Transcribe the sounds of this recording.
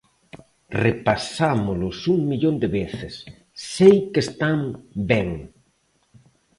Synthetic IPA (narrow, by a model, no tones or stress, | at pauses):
repasamʊlʊsuŋmiʎond̪ɪβeθɪsː | ejkest̪ambɛŋ